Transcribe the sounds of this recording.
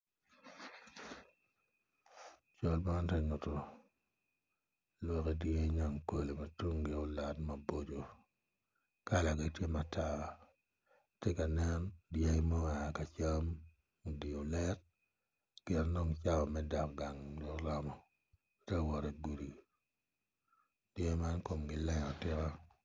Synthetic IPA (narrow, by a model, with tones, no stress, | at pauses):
t͡ʃɔ˦lma˦ntɛ˦ɲʊ˨tɔ˨ | lwɔ˦ke˦dje˦ɲa˨ŋko˨le˨ma˨tu˦ŋɡe˦o˦la˨tma˨bo˦d͡ʒo˨ | ka˦la˨ɡa˨tje˦ma˨tʰa˦ | te˦ka˨nɛ˦ndja˦i˦mɔ˦a˨ka˨t͡ʃa˦m˨ | di˨o˨lɛ˦t̚ | pɪɛ˨ndɔ˦ŋt͡ʃa˦wɔ˨mɛ˦da˨kɡa˨ŋlɔ˦kla˦mɔ˨ | tɛ˦wɔ˨ɾɛ˨ɡu˨ɾi˨ | d̥je˦ma˦nko˨mɡɪ˨lɛ˦ɲɔ˨tɪ˦ka˦